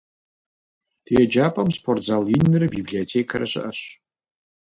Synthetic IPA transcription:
d̥ʰɛd͡ʒaːpʼɐmspʰortzalinːɨrɨbibɮiotʰekʰɐɾɐɕɪ̰ʔɐɕ

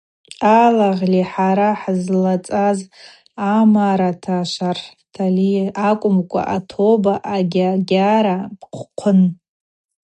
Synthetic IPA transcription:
alaʁliħaɾaħzlat͡sʼaz | amaɾatʰaʃar | tʰaliakʷʼʊmkʷʼa̰ʔatʰobaʔaɡʲaɡʲaɾabqʷʰqʷʰʊn

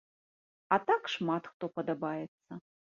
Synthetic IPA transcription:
ɐt̪akʂmat̪xt̪ɔpɐd̪ɐbajɛt̪sːɐ

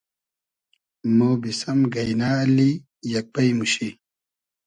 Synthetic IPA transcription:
moːbisɐmɡɐjnaːli | jɐk̚pɐjmuɕi

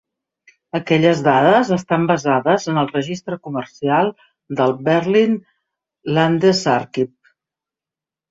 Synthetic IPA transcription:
əkɛʎəzðaðəzəst̪ambəzaðəzənəlˠrəʒist̪ɾəkumərsialˠ | d̪əlˠbeɾlin | land̪ezaɾkip̚

